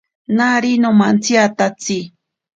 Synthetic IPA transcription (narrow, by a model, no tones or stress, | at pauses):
naɾinomant͡sjat̪at͡si